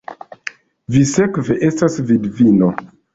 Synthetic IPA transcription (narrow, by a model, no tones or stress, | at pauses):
visekve̞ʔe̞stasvidvino